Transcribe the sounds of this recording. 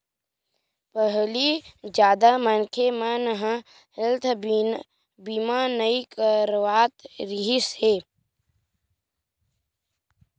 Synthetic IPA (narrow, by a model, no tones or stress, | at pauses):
pəɦlid͡ʒjaːd̪amənkʰemãnəɦã | ɪlt̪ʰ | biːmãnəikəɾwaːt̪ɾiɦiseː